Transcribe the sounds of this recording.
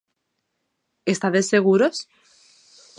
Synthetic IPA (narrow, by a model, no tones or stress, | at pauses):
est̪aðesːeɣ̞uɾos